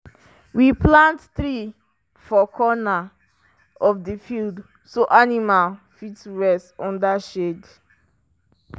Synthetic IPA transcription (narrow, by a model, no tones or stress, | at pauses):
wiplãntθɹi | fɔkʰɔna | ɔfdifild | soʔanimal | fitsɹɛstɔ̃ndaʃed